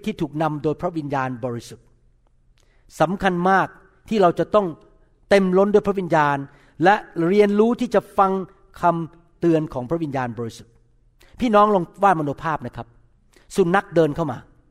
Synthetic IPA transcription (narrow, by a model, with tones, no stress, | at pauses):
t̪ʰiː˥˩t̪ʰuː˨˩k̚na˧mdoː˧jpʰɾa˦˥ʔwi˧njaː˧nbɔː˧ɾi˦˥su˨˩t̪̚ | sa˩˦mkʰa˧nmaː˥˩k̚ | t̪ʰiː˥˩ɾa˧wt͡ɕa˨˩t̪ɔ˥˩ŋ | t̪e˧mlo˦˥ndu˥˩jpʰɾa˦˥wi˧njaː˧n | lɛ˦˥ʔɾi˧ənɾuː˦˥t̪ʰiː˥˩t͡ɕa˨˩fa˧ŋ | kʰa˧m | t̪ɯ˧ənkʰɔː˩˦ŋpʰɾa˦˥wi˧njaː˧nbɔː˧ɾi˦su˨˩t̪̚ | pʰiː˥˩nɔː˦˥ŋlo˧ŋwaː˥˩ma˧noː˧pʰaː˥˩p̚na˦˥kʰa˦˥p̚ | su˨˩nːa˦˥k̚dɤː˧nkʰa˥˩wmaː˧